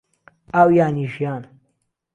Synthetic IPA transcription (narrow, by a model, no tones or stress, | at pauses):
awjaːniʂjaːn